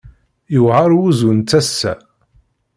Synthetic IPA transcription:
jəvʁɑɾˤwuzunt͡sːæsːæ̰

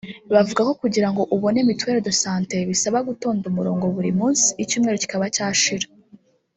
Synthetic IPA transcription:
βavuɡako̞kuɟiɾaŋɡo̞ʔuβo̞ne̞mitwe̞ːɾodosaːnte̞βisaβaɡuto̞ːndumuɾo̞ːŋɡo̞βuɾimuːnsi̥ːcuːmŋe̞ɾo̞ci̥kaβacaːʃiɾḁ

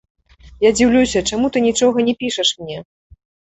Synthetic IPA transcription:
jad͡zʲiwlʲusʲɐt͡ʂamut̪ɨnʲit͡ʂɔɣɐnʲɛpʲiʂɐʂmnʲɛ

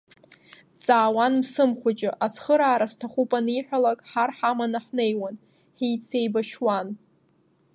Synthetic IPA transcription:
t͡sʼaːwanmsɨmχʷat͡ʃʼɪʔat͡sʰχəɾaːɾastʰaχupʼaniħʷᶣalakʼħarħamanaħnejwan | ħijt͡sʰe̞jbaʃwan

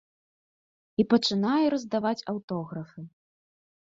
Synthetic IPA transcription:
ipɐt͡ʂɨn̪ajɛɾɐzd̪avat͡sʲɐwt̪ɔɣɾɐfɨ

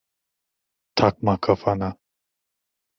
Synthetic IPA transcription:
t̪ʰak̚makʰɐfana

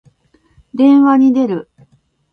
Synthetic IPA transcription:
d̪ẽ̞ɰ̃βaɲ̟id̪e̞ɾɯ̟

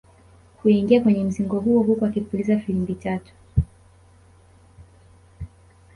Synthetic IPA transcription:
huiŋɡiakwɛɲɛm̩ziŋɡɔɦuɔɦukuakipulizafilimbitatu̥

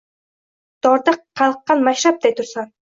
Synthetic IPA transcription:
d̪̥ɑɾd̪əqqʰːɑlˠqːɑnmæʃɾɑp̚d̪ɛj̚t̪ʰuɾsɑŋ

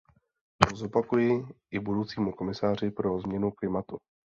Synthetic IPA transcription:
t̪ozo̞pakujɪʔɪbudowt͡siːmuko̞mɪsaːr̝ɪpɾo̞zmɲɛnuklɪmat̪u

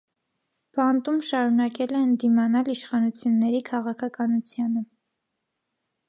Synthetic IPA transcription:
b̥ɑnt̪umʃɑɾunɑkɛlɛənd̪imɑnɑliʃχɑnut͡sʰjunːɛɾikʰɑʁɑkʰɑkɑnut͡sʰjɑnə

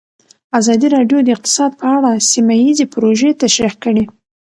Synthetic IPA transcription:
azɑd̪iɾɑɖjod̪əɪq̚t̪ɪ̥sɑd̪̚pəaɽasimajizepɾoʒet̪aʃɾixkəɽi

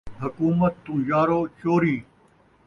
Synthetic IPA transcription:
ɦɐkuːmət̪ːũːjaːɾoːt͡ɕoːɾiː

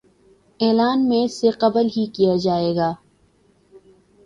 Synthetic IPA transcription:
ɛːlaːnmẽseqɐbəlɦikijad͡ʒaːeːɡaː

